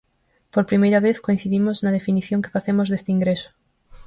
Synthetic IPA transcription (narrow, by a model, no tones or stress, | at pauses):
poɾpɾimejɾɐβ̞eθkoĩn̟θiðimoznɐað̞efiniθjoŋke̥faθemozðest̪eiŋɡɾeso̥